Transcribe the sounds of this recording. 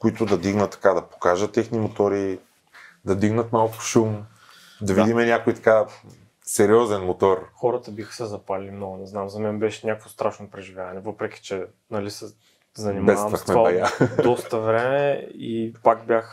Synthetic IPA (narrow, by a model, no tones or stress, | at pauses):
koit̪ʊd̪ɐd̪iɡnət̪ːɐ̥kad̪ɐpo̥kaʒət̪ːɛxnimot̪oɾi | d̪ɐd̪iɡnət̪malˠkʊ̥ʃum | d̪ɐvid̪imɛnʲakoit̪ɐ̥ka | sɛɾiɔzɛnmot̪ɔɾxɔɾət̪əbixə̥sɛzɐpalilʲimnɔɡʊnɛznamzɐmɛnbɛʃɛnʲakvost̪ɾaʃnopɾɛʒivʲjavɐnɛvɤpɾɛkʲi̥t͡ʃɛ | nɐlisɛ | zɐnimbɛsavɐmvɐsxmɛvaɐjad̪ɔst̪əvɾɛmɛipakbʲjax